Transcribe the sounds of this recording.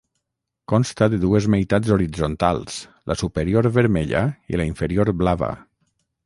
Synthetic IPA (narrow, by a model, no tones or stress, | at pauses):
kɔnst̪aðeðuezmejt̪ad͡zoɾid͡zont̪alˠslʔasupeɾijoɾβəɾmeʎa̰ḭlaiɱfeɾioɾblaβa̰